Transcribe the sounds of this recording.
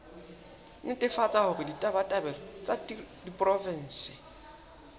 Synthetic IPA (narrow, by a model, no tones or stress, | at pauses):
nʊtʼɪfat͡sʼahʊrɪditʼabatʼabɛlɔt͡sʼadipʼrɔvɛn̩sɪ